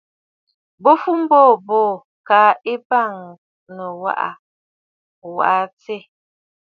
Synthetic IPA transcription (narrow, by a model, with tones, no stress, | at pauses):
bo˦fu˦m̩˦bɔː˦˨bɔː˦˨ | ka˨˦e˦ba˦˨ŋ | nə˨wa̰˦ʔa̰˨ | wa̰˨ʔa˨t͡se˦˨